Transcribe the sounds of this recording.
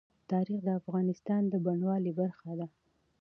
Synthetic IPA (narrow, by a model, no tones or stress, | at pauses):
t̪ɑɾixd̪əafɣɑnɪst̪ɑnd̪əbaɳwɑlibaɾxad̪a